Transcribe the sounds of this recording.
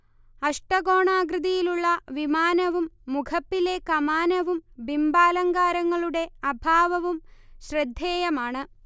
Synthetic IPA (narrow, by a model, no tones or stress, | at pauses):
ɐʂʈɐɡo̞ːɳaːɡɾɨðɐjiluɭːɐʋimaːnɐʋumːukʰɐpːile̞kɐmaːnɐʋumbimbaːlɐŋɡaːɾɐŋːɐɭuɽe̞ɐbʱaːʋɐʋumɕrɐd̪ʱːeːjɐmaːɳɨ